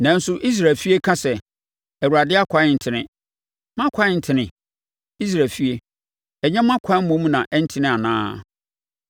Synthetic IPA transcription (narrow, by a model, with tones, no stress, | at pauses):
nã˨n̩˦sʊ˦ʔi˦s̬ɾa˨lfi˦e˦kʰã˦sɛ˨ | ɛ˨wu˨ɾa˨dɪ˦a˦kʰʷa˦ɪ˨n̩˨tʰɪ˨nɪ̰̃˦ | mã˦kʷʰa˦ɪ˨n̩˨tʰɪ˨nɪ̃˨ | i˦s̬ɾaː˨lfi˦e˦ | ɛ˨ɲɛ̃˦mã˦kʷʰa˦mõ˦m˦nã˨ʔɛ˦n̩˦tʰɪ˦nɪ̃˦a˨nã̰ː˦